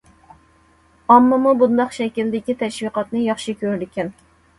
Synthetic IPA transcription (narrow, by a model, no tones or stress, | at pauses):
ɑmːɨmubund̪ɑqʃɛkʲild̪ɪkʲit̪ʰɛʃwiqɑt̪nɨjɑχʃikʲʰøɾd̪ɪkʲʰɛn